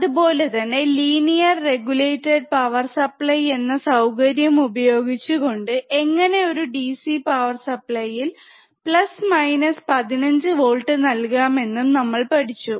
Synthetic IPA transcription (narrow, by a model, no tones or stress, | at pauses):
ɐðupo̞ːle̞t̪ɐnːe̞liːnijɐrːe̞ɡule̞jtːeɖ̚pɐʋɐrsɐpɭɐje̞nːɐsɐwkɐɾjɐmubɐjo̞ːɡit͡ɕːuɣo̞ɳɖɨe̞ŋːɐne̞o̞ɾuɖisipɐʋɐrsɐpɭɐjil | pɭɐsmɐjnɐspɐðinɐɲd͡ʑɨʋo̞ːɭʈːɨnɐlkaːme̞nːumnɐmːɐɭpɐʈʰit͡ɕːu